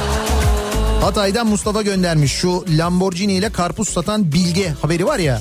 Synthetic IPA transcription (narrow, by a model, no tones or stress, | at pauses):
hat̪ʰaːjd̪anmust̪ʰafaɟø̞nd̪æɾmiʃʃulʲamboɾd͡ʒinijlʲɛkʰaɾpusːat̪ʰanbilʲɟɛhabe̞ɾivaɾja